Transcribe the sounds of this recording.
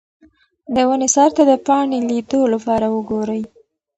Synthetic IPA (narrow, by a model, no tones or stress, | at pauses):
d̪əwənesɑɾt̪ad̪əpɑɳelid̪olapɑɾawəɡoɾəj